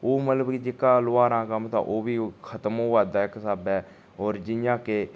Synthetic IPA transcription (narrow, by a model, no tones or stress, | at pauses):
oːmət̪ləbkid͡ʒɪkːaːloaːɾãːkəmt̪ã̰ːʔoːbiːkʰət̪əmoːaːd̪aːɪksaːbɛː | oːɾd͡ʒɪjãːkeː